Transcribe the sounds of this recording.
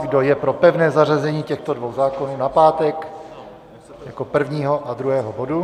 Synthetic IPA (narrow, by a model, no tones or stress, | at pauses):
ɡdo̞jɛpɾo̞pɛvnɛːzarazɛɲiːcɛxt̪o̞dvo̞wzaːko̞nuːnapaːt̪ɛk | jako̞pr̩vɲiːɦo̞ʔad̪ɾuɦɛːɦobodu